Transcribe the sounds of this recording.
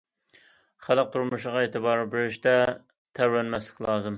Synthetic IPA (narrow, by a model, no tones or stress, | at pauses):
χælˠəq̚t̪ʰuɾmuʃəʁɑeːt̪ʰɨbɑːɾbeɾyʃt̪ɛ | t̪ʰæɾwɛnmɛslɪ̥kʲlˠɑːzɨm